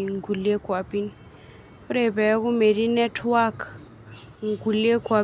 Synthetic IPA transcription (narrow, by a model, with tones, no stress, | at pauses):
ŋ̩˨ku˨le˦kwa˨pi˦ni | ʊ˦ɾe˨bɛ˨˦ku˦me˨di˦nɛ˦tʰwa˦kʰ | ŋ̩˨ku˨le˦kwa˨